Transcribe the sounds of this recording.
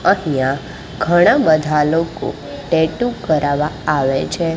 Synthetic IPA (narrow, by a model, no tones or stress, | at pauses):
əɦjã | ɡʱəɽ̃abəd̪ʱaloko̰ | ʈeʈukəɾaʋaaʋet͡ʃʰe